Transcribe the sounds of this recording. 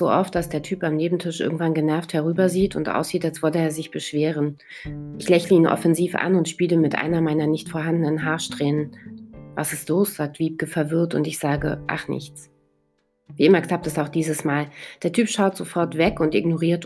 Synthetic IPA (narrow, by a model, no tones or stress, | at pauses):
z̥o̰ːʔɔft̚d̥asd̥eːɐtʰyːpamneːbm̩tʰɪʃʔɪ̰ɐɡŋ̩tv̥anɡənɛɐfthɛʁ̞yːbɐziːtʰʊntʔa̰ʊsz̥iːtalsv̥ɔləeːɐzɪçb̥əʃv̥eːʁ̞ən | ʔɪçlɛçləiːnʔɔ̰fɛnziːfʔa̰nʊntʃpiːləmɪtʔa̰ɪnɐmaɪnɐnɪçtfoːɐɦandənənɦaːɐʃtʁ̥ɛːnənvasɪstloːsz̥aːk̚tv̥iːp̚kəfɛɐvɪɐtʊ̰ntɪçz̥aːɡə̰ʔa̰χnɪ̰çt͡s | viːɪmɐkl̥ap̚tɛsaʊxd̥iːzəsmaːld̥eːɐtʰyːpʃaʊtz̥ofɔɐtv̥ɛkʊntʔɪ̰ɡnoʁiːɐt